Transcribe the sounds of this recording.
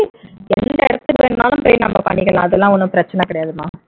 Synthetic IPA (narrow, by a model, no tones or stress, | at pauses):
ɛnd̪ɐɛɽɯt̪ːɯkːɯʋeːɳnaːlɯ̃mpoːjnɐ̰mːɐpɐ̰ɳːɪkːɐlã̰ːɐðɛlːãːɔnːɯpɪɾɐt͡ʃːɐnɐːkɪɽɐjaːðɯma̰ː